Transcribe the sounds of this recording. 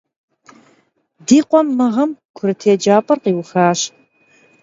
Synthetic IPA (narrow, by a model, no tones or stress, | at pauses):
diːqʷʼɔmːɐʁɐmkʷʰʊɾɨtʰeːd͡ʒaːpʼɐrqiːwxaːɕ